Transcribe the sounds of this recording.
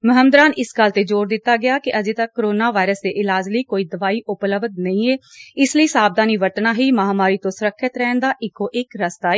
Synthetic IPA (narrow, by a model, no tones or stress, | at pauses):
məɦəmd̪ɾaːnɪsɡəlt̪eːd͡ʒoːɾd̪ɪt̪ːaːɡɪjaːkɪʔəd͡ʒeːt̪əkːoɾoːnaːʋaːɪɾəsd̪eːʔɪlaːd͡ʒləiːkoːiːd̪əʋaːiːʔʊpləbd̪nəĩːeː | ɪsləiːsaːb̚d̪aːniːʋəɾt̪naːɦiːmaɦaːmaːɾiːt̪õːsʊɾəkʰːət̪ɾɛːnd̪aːʔɪkːõːʔɪkɾəst̪aː